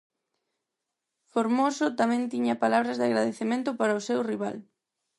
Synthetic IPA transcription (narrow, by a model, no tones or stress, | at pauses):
foɾmosʊt̪amɛ̃nt̪iɲɐpalaβɾɐzðɪaɣɾaðeθemẽnt̪ʊpaɾɐosewriβal